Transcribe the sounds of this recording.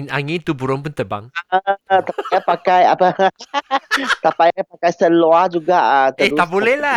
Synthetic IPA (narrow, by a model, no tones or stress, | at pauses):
naŋɪnt̪ubuɾɔnpunt̪əba̰ŋəʔət̪apaapakajapə | t̪apajapakajsəload͡ʒuɡaʔət̪əehuaʔbolɛhla